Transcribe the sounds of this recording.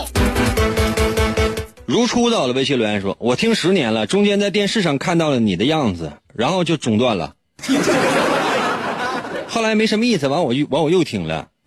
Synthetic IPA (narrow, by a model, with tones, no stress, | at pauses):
ɻu˧˥ʈ͡ʂʰu˥t̪ɑ˥˩ʊlə˩we˧˥ɪɕ̬ʰi˥˩lwə˧˥nʂwɔ̰˥wɔ˨˩t̪ʰi˥ŋʂɻ̩˧˥njɛ˧˥nlə˧ʈ͡ʂʊ˥ŋt͡ɕjɛ˥nt͡sa˥˧ɪt̪̬jɛ˥˧nʂɻ̩˥˧ʂɑ˥˧ŋkʰa˥˧nt̪ɑ˥˩ʊlə˩ni˨˩d̪ə˦jɑ˥˩ŋd͡zɹ̩˩ | ɻa˧˥nxo˥˧ʊt͡ɕjo˥˩ʊʈ͡ʂʊ˨˩ŋt̪wa˥˩nlə̰˩ | xo˥˩ʊla˧˥ɪme˧˥ʂə˧˥nmə˧i˥˩sɹ̩˩wɑ˧˥ŋwɔ˨˩˥wɑ˧˥ŋwɔ˨˩jo˥˩ʊt̪ʰi˨˩ŋlə̰˦